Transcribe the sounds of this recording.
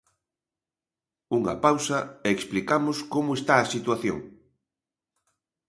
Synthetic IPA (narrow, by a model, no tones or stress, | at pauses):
uŋɐ̰pawsɐɛksplikamʊskomʊest̪aɐsit̪waθjo̰ŋ